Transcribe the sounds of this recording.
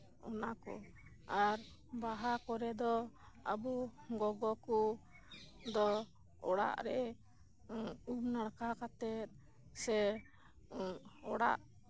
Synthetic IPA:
ɔnakɔ̰ | aɾ | baɦakɔɾɛd̪ɔ | a̰buɡɔɡɔku | d̪ɔ | ɔɽa̰ʔɾɛ | ubnaɽkakat̪ɛt̪̚ | sɛ | ɔɽa̰ʔ

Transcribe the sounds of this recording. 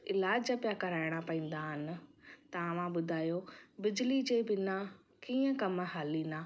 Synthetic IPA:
ɪlaːd͡ʑapjakɐɾaːɪɽ̃apɐĩːn̆d̪aɦɪnɪ̆t̪ɐɐʋ̤ãɓʊd̪ʱaːjobɪd͡ʑlid͡ʑeːbɪna | kiːə̃kɐmɦaːlinaː

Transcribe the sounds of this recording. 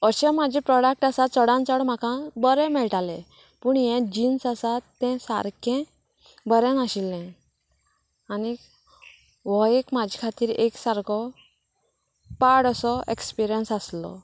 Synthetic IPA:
əɕɛ̃mad͡ʑʱɛ̃pɾɔɽak̚ʈasat͡səɽãnt͡sɔɽm̤akãbəɾɛ̃mɛɭʈalɛ̃ | puɳjɛ̃d͡ʑinsasat̪ːɛ̃sa̰ɾkʰɛ̃ | bəɾɛ̃naɕilːɛ̃ | ani | ʋɔekmad͡ʑʱikʰat̪iːɾeksaɾkʰɔ | paɽəsɔekspiɾijənsaslɔ̰

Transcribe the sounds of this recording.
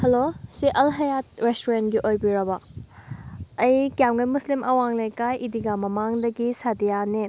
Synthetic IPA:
hɐloseʔɐlɦɐjat̚ɾestuɾentɡiʔojbiɾɐbɐ | ɐjkjamɡɐjmuslimʔɐwaŋlejkajʔidiɡamɐmaŋdɐɡisadijane

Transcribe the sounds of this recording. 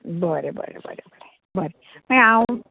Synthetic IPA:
bəɾebə̰ɾḛbə̰ɾebəɾe | bəɾe | pəna

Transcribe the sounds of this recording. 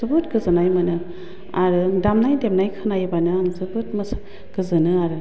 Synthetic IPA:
ɯbɯt̚ɡɯzɯnajmɯnɯ | aɾɯdamnajdemnajkʰɯnajbanɯaŋzɯbɯtmɯs | ɡ̥ɯzɯnɯaɾɯ

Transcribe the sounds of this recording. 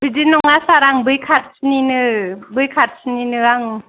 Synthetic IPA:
bidinɔŋasaɾaŋbɯjkʰat̚sninɯbɯjkʰat̚sɯninɯɾaŋ

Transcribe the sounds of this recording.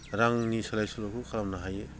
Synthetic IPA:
ɾaŋnisalajsulokʰukʰaɾamnaɦaje

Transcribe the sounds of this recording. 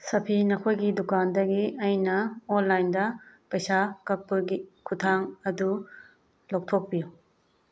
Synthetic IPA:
sɐpʰinɐkʰojɡidukandɐɡiɐjnɐonlajndɐpɐjsakɐk̚pːɐɡikʰutʰaŋɐdu | lok̚tʰok̚biju

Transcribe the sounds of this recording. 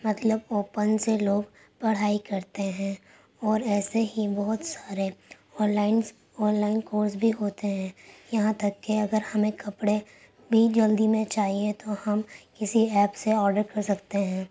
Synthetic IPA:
mɐt̪ləboːpənseloːɡ | pɐɽ̤aːikɐɾt̪eɦɛ̃ː | ɔːɾɛːseɦibɔɦʊt̪saːɾe | ɔ̃ːnlaːɪnz | ɔːnlaːɪnkoːɾsbʱiɦoːt̪eɦɛ̃ːjɐɦãt̪ɐkːeɐɡəɾhɐmẽkɐpɽe | bʱid͡ʒɐld̪imẽt͡ʃaːɦiet̪ohɐmkɪsiɛːpseɔːɾɖəɾkɐɾsɐkt̪eɦɛ̃ː

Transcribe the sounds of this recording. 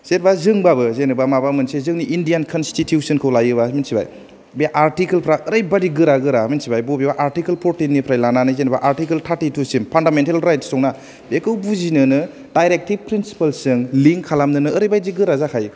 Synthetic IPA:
z̥eɾbazɯŋbabɯzenɯbamabamɯnsezɯŋniʔindijankʰɔnstitʰjusɯnkʰɯwlajɯbaminsiba̰j | beaʔaɾtikelpʰɾaɯɾajbadiɡɯɾaɡɯɾaminsibajbobebaʔaɾtikelpʰoɾtinːipʰɾajlananɯzenbaʔaɾtikeltʰaɾtitusimpʰandamentalɾajtsɔŋna | bekɯwbuzinɯnɯ | dajɾek̚tib̚pɾinsi̥palsɯŋliŋkʰːalamnɯnɯːɾɐjbajziɡɯɾazakʰaj

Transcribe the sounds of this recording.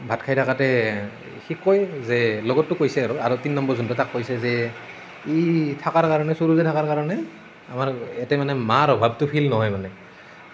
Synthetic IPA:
bʱatkʰajtʰakatɛ | xikːɔjzɛlɔɡɔtːʊkojsɛaɹɔaɹutinnːɔmbɔɹzuntʊtakːojsɛzɛ | itʰakaɹkaɹɔnɛsuɹuzɛtʰakaɹkaɹɔnɛ | amaɹɛtɛmanɛmaɹɔbʱab̚tʊpʰilnɔɦɔjmanɛ

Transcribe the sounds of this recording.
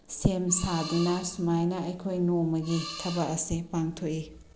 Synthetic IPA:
semsadunɐsumajnɐɐjkʰojnomɐɡitʰɐbɐɐsipaŋtʰoʔi

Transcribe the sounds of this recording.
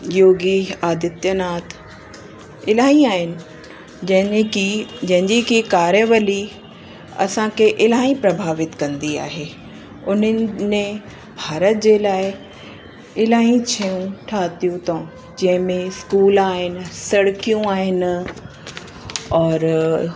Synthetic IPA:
joːɡiaːd̪ɪt̪jənaːt̪ʰ | ɪlaːĩaːɦɪnɪ̆ | d͡ʑɐ̃ɦɪnid͡ʑɐ̃ɦɪ̃ɲd͡ʑikikaːɾjəʋəli | ɐ̰sãkʰeʔɪlaːĩpɾɐbʱaːʋɪt̪kɐ̃nd̪ia̰ːɦeː | ʊnəmẽ | bʱaːɾət̪̚d͡ʑeːlaːɪ | ɪlaːĩt͡ɕʰijũʈʰaːt̪ijũt̪õ | d͡ʑɐ̃ɦɪ̃mẽskuːlaːɦɪnsɐɽkijũaːɦɪn | ɔːɾ

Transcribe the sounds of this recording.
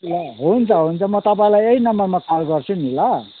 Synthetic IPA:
laɦunt͡sʰʌɦunt͡sʰʌmʌt̪ʌpaĩlajeinʌmʌrmakalɡʌrt͡sʰunila

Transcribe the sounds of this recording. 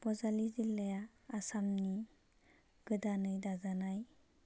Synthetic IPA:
b̥ɔzalizilːajaː | samni | ɡ̥ɯdanɯjdazanaj

